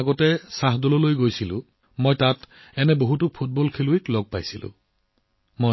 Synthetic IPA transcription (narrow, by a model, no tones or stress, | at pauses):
ɡɔtɛsaɦdɔlɔlojɡojsilʊ̰̃ | mojtat | ɛnɛboɦutʊpʰut̚bɔlkʰeluiklɔɡ̚pajsilʊ̰̃ | mo